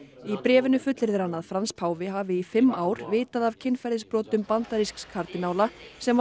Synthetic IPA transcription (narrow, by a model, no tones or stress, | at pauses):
ipɾɛːvɪnʏfʏt̪lɪɾðɪɾanːaðfɾanspʰaːwvɪɦaːvɪifɪmːaːwɾ̥vɪːt̪aðavcʰɪnfɛɾðɪspɾɔːt̪ʏmpant̪aɾiskskʰaɾt̪ɪnaːwlasɛm